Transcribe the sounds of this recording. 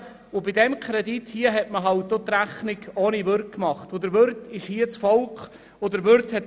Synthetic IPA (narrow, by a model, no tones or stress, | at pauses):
ʊbidɛmkʰχɾɛdithiəɦɛtməɦɑlt̚dot̪ræχnɪɡoːnivʏɾk̚kmɑχtʊdəɾʋʏɾtɪʃhiət͡sfɔlkχ | ʊdəɾʋʏɾthɛt